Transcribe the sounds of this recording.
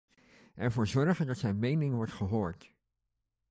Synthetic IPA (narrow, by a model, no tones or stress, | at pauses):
ʔɛɹvoːɹzɔɹχədɑtsɛjnmejnɪŋʋɔɹtχəɦoːɹt